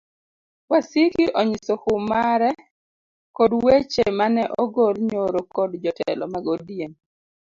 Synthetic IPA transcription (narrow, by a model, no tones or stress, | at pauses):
wasikiʔɔɲisohʊmaɾɛ | kɔdwet͡ʃemanɛʔɔɡolɲoɾokɔdd͡ʒɔtɛ̰lɔ̰maɡodjen